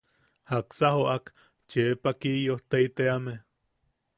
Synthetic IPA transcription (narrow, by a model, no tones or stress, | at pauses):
haksahoʔak | t͡ʃepakijoht̪eit̪eame